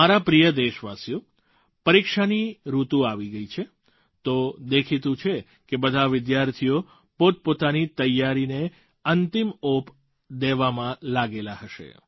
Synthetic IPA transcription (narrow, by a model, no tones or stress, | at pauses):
aɾapɾijəd̪eʃʋasjo | pəɾikʃaniɾut̪ũaʋiɡəit͡ʃʰe | t̪od̪ekʰit̪ũt͡ʃʰe | kebəd̪ʱaʋɪd̪jaɾt̪ʰijo | pot̪̚pot̪anit̪əjːaɾine | ənt̪imop | d̪eʋamãlaɡelaɦəʃḛ